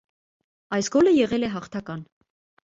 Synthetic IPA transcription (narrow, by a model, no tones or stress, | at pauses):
ɑjsɡɔləjɛʁɛlɛɦɑχt̪ʰɑkɑn